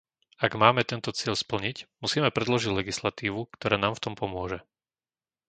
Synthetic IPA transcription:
aɡmaːmɛt̪ɛnt̪ɔt͡sɪɛʎspl̩ɲicmusiːmɛpɾɛd̪lɔʒiɟlɛɡislat̪iːʋukt̪ɔɾaːnaːmft̪ɔmpɔmʊɔʒɛ

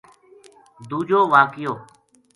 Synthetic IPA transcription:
d̪uːd͡ʒoːʋaːkɪjoː

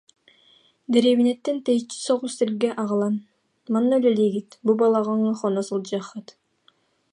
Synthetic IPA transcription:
d̪eɾeβinet̪ːent̪ejt͡ʃi̥soʁust̪elɡeʔɑʁɑlˠɑn | mɑnːolʲeliɡit̪bubɑlˠɑʁɑŋɑχonosɯlˠd͡ʒɑχɑt̪

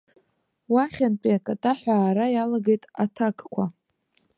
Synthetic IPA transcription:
waχʲanpʼiakʼatʼaħʷᶣaːɾajalaɡejtʼatʰakʼkʷʰa

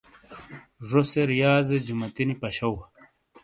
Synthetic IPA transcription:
ʐoseɾijaːzed͡ʑumɐt̪inipɐɕɐw

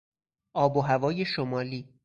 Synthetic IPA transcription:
ʔɒːboɦævɒːjeʃomɒːliː

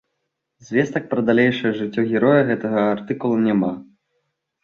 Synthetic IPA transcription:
zʲvʲɛst̪ɐk̚pɾɐd̪alʲejʂɐjɐʐɨt͡sʲːɔɣʲɛɾɔjɐɣɛt̪ɐɣɐart̪ɨkulˠɐnʲama

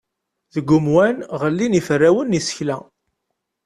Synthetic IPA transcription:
ðəɡːʊmwænʁəlːinifərːæwənːisə̥çlæ

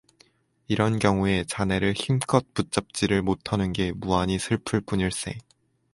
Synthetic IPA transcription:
iɾʌnkjʌŋue̞t͡ɕane̞ɾɯɭçimk͈ʰʌt̚p͈ut̚t͡ɕ͈ʌp̚t͡ɕ͈iɾɯɭmotʰanɯnɡe̞muaɲisʰɯɭpʰɯɭp͈uɲiɭs͈e̞̰

